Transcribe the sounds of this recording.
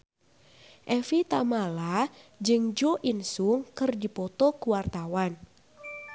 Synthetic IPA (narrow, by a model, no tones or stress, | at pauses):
ʔɛfit̪amalad͡ʒɨŋd͡ʒoʔinsuŋkɨrdipɔt̪ɔkuwart̪awan